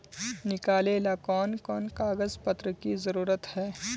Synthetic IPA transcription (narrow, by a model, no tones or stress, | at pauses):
nɪkaːleːlakɔːnkɔːnkaːɡəzpɐt̪ɾəkizɐɾuːɾət̪hɛː